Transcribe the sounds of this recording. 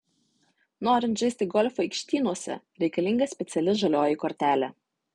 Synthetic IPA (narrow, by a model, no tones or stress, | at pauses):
noːɾʲɪnt̪ʒʲɛɪsʲt̪ʲɪɡɔlʲfɔɪkʃʲt̪ʲiːnuɔsʲɛ̰ | ɾʲɛɪkɐlʲɪŋɡɐsʲpʲɛt̪sʲɛlʲɪʒɐlʲoːjɪkɔɾʲt̪ʲæːlʲɛ